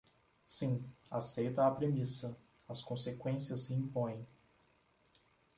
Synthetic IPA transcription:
sĩasejt̪ɐapɾemisɐ | ɐskõsekwẽsiɐsiĩmpõj̃

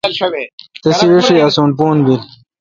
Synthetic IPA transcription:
t̪isiwiʂiasuːnpuːnbil

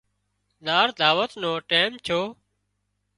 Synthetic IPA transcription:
ɗaːɾd̪ʱaːʋət̪nõːʈeːmt͡ʃʰoː

